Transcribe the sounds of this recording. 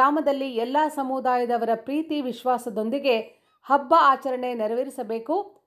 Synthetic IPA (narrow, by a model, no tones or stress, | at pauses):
aːmɐd̪ɐlːiɛlːaːsɐmud̪aːjɐd̪ɐʋɐɾɐpɾiːt̪iʋiʃʋaːsɐd̪o̞nd̪iɡe̞ | hɐbːɐaːt͡ʃɐɾɐɳe̞nɛɾɐʋiɾisɐbe̞ːku